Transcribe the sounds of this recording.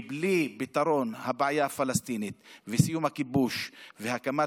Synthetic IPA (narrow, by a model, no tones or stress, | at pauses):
blibit̪aɾo̞nhabʕajafalast̪init̪vesijumhakibuʃvehakama